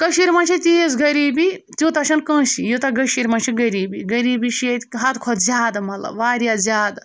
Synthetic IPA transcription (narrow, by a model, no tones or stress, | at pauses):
kɐʃiɾmɐnt͡ʃʰit̪ʲies̬ɡɐɾiːbi | t̪ʲjut̪ɐʃɐnkɐ̃ːsḭjot̪aɡɐʃiɾmɐnʃiɡɐɾiːbiɡɐɾiːbiʃet̪ʲɦat̪kʰɔt̪zʲaːd̪mɐlɐ̰ʋaːɾʲjazʲaːd̪